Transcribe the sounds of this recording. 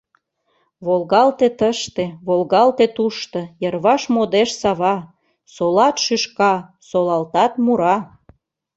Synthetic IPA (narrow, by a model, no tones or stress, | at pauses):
βolɣɑlt̪et̪əʃt̪eβolɣɑlt̪et̪uʃt̪ɤ̆jərβɑʃmod̪eʃsɑβɑ | solɑt̪ʃyʃkɑ | solɑlt̪ɑt̪muɾɑ